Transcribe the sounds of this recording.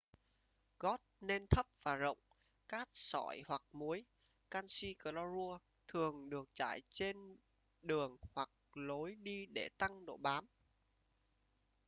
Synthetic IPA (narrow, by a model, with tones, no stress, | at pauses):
ɣɔ˦˥t̚ne˧nt̪ʰə˦˥p̚v̥aː˨˩zə̰˧˨wŋ͡m | kaː˦˥t̚sɔ˧˩jhwa˨˩k̚mu˨˦j | kaː˧nsi˧kə˧˩lɔ˧zu˧ə | t̪ʰɨ˨˩əŋɗɨ˨˩ək̚t͡ɕa̰ː˧˨jt͡ɕe˧n | ɗɨ˨˩əŋhwa˨˩k̚lo˨˦jɗi˧ɗe˧˩t̪a˧ŋɗo̰˧˩˨ɓaː˨˦m